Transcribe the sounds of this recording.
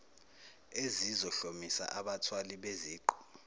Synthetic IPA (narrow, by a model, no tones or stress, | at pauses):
ezizɔɬomisa̰ʔaɓatʰwaliɓeziːǃu̥